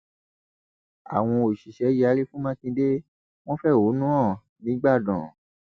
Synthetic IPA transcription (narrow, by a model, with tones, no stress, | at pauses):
a̰˨w̃ɔ̃˧o˨ʃi˨ʃɛ˨˦ji˦a˧˦ɾi˦fũ˦mã˦kĩ˧de˦ | w̃ɔ̃˦fɛ˦˨wo˨˦nũ˦ɔ̃˦˨ | nĩ˨˦ɡ͡ba˦˨dɔ̃˨